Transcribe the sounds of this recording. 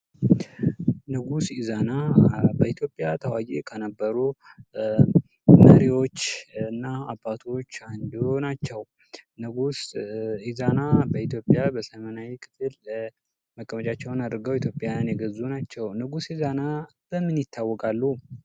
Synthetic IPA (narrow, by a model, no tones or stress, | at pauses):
nɨɡusizanabəit̪ʰjo̞pʼːjat̪ʰəwajekʰənəbːəɾu | məɾiwo̞t͡ʃːɨnːaabːat̪ʰo̞t͡ʃːand̪onat͡ʃːɛw | nɨɡusizanabəit̪jo̞pʼjabəsəmənajikʰʼɨ̥t̪ʰʼɨl | məkʼːəmət͡ʃʼat͡ʃːɛwnad̪ɾɨɡəwit̪ʰjo̞pʼːjanjɛɡəzunat͡ʃːɛwnɨɡusizanab̥əmːɨnjɪt̪ʰːawːɔkʼalːu